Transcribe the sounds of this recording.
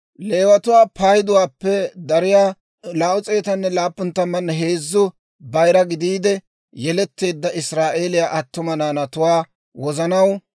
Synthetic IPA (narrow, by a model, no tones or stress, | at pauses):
le̞ːwɐt̪ʊwaːpaːjɪd̪ʊwaːpːɛd̪ɐɾɪjaː | laːʔʊt͡sʼe̞ːt̪ɐnːɛlaːpːʊnt̪ːɐmːɐnːɦe̞ːzːʊ | bɐjɾɐɡɪd̪iːd̪ɛ | jɛlɛt̪ːe̞ːd̪ːɐʔɪsɾaːʔe̞ːlɪjaːʔɐt̪ːʊmɐnaːnɐt̪ʊwaː | wɔzɐnɐw